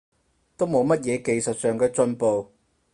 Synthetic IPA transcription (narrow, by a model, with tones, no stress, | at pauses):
t̪o˥wmo˨˧wmɐ˥t̚jɛː˨˧ke˨jsɐ˨t̚sœː˨ŋkɛː˧t͡sɵ˧npo˨˧w